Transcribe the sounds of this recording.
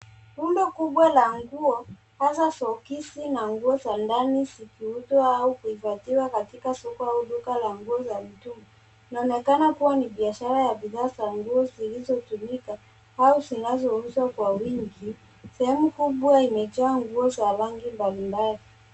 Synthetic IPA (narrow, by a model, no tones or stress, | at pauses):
pundɔkuɓwalaŋɡuɔ | hasasɔkisinaŋɡuɔzandanizikiutwaaukuifatiwakatikasɔkɔauɗukalaŋɡuɔzamitumɔ | inaɔnɛkanakuwaniɓiaʃaɾajaɓiðaːzaŋɡuɔzilizɔtumika | hauzinazɔuzwakwawiŋɡi | sɛhɛmukuɓwaimɛtɔaŋɡuɔzaɾaŋɡimbalimbali